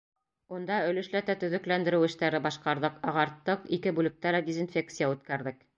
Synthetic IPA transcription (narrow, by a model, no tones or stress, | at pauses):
und̪ɑɵ̆lɘ̆ʃlæt̪æt̪ɵ̆ðɵ̆klænd̪ɘ̆ɾɘwɘ̆ʃt̪æɾɘbɑʃqɑɾðɤqɑʁɑɾt̪ːɤqikɘbulɘ̆k̚t̪ælæd̪ʲezinfʲe̞k̚t̪sijaʉt̪̚kæɾðɘk